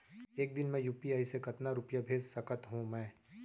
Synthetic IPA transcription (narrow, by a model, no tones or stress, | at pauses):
eːk̚d̪ɪnmẽjuːpiaːisekɐt̪naɾʊpjabʱeːd͡ʒsɐkət̪ɦũmɛ̃ː